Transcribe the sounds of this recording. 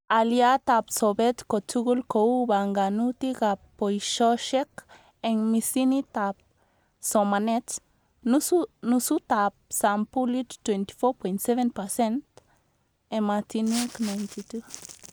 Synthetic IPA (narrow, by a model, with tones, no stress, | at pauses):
a˨lja˦t̪a˧pso˨be˦t̪ko˨t͡ʃu˦ɡu˦lko˧u˦ba˨ŋɡa˨nu˦t̪iɡa˧pːo˨jʃo˦ʃe˦k | e˧ŋmi˧si˦nit̪a˧p̚ | so˨ma˨ne˦t͡s | nu˧su˦t̪ap̚sa˧mpuli˦t͡ʃt̪went̪i̥˨fo˦ɾpojnt̪se˦βe˦npase˦nt̪ | e˧ma˧t̪i˧niknajnt̪i˧t̪u